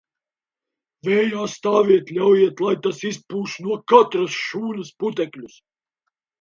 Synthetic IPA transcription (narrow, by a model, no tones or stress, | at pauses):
vɛːjast̪aːviɛt̪lʲawjiɛt̪lˠajt̪asispuːʃnuɔkat̪ɾɐsʃuːnɐsput̪ɛklʲus